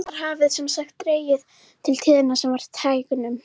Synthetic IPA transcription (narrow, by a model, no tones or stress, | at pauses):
ðaɾ̥ɦaːvɪðsɛmsaxt̪ːɾeːjɪð | t̪ʰɪlt̪ʰɪːðɪnasɛmvaɾ̥t̪ʰaːjkʏnʏm